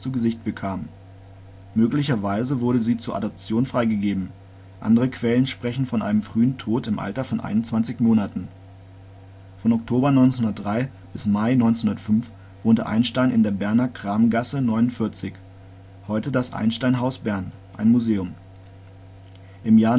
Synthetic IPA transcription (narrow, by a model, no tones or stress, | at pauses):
t͡suɡəzɪçt̚b̥əkʰaːmː | øːklɪçɐvaɪzəvʊɐɾəziːt͡suːɐʔadɔp̚t͡sjoːnfʁ̥aɪɡəɡeːbm̩ | ʔa̰ndəʁəkʰv̥ɛlənʃpʁ̥ɛçn̩fɔnʔa̰ɪnəmfʁ̥yːəntʰoːtɪmʔa̰ltɐfɔnʔa̰ɪnʊntt͡sv̥ant͡sɪçmoːnatn̩ | fɔnɔktʰoːbɐnɔʏnt͡senhʊndɐt̚d̥ʁaɪ | b̥ɪsmaɪnɔʏnt͡senhʊndɐtfʏnf | v̥oːntə̰ʔa̰ɪnʃtaɪnʔɪ̰ndeːɐbɛɐnɐkʁ̥aːmɡasənɔʏnʊntfɪɐt͡sɪç | hɔʏtədasʔa̰ɪnʃtaɪnɦaʊsb̥ɛɐn | ʔaɪnmuzeːʊm | ʔɪmjaːɐ